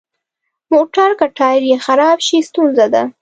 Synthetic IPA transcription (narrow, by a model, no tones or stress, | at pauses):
moʈaɾkaʈɑjɪɾjexaɾɑbʃist̪unzad̪a̰